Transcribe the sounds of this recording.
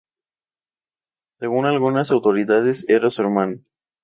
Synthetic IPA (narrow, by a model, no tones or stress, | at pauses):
seɣunalɣunas̬awt̪oɾiðaðeseɾoseɾmãn